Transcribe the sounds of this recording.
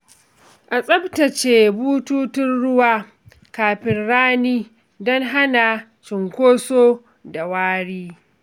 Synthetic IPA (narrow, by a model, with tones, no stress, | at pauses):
ʔa˨sʼɐ˦btɐ˨t͡ʃeː˨buː˦tuː˦tɪ˦nɽʊ˦waː˦ | kaː˨ɸɪ˦nɽaː˦niː˦ | dɔ˦ŋɦa˦naː˨ | t͡ʃɪ˨ŋkʷoː˦soː˦ | da˨waː˦ɽiː˦